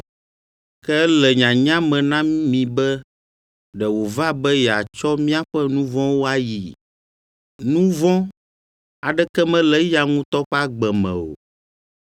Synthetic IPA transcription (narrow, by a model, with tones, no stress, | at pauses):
kɛ˦lɛ˨ɲã˨ɲã˦mɛ̃˨nã˦mĩ˨bɛ˦ | ɖɛ˨wo˨va˦bɛ˦jɛ˨a˨t͡ʃɔ˦mĩ˦a˦ɸɛ˦nũ˦vɔ̃˦wo˦a˦ji˨ | nũ˦vɔ̃˦ | a˨ɖɛ˦kɛ˦mɛ̃˦lɛ˦ja˨ŋũ˦t̪ɔ˦ɸɛ˦a˦ɡ͡bɛ˨mɛ̰̃˨o̰˨